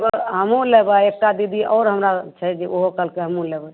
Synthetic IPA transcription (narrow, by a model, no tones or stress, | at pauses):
bəɦəmulebəek̚ʈad̪id̪ʱiʔɔʊɾɦəmɾat͡ʃʰɛd͡ʒeoɦokəlkeɦəmulebə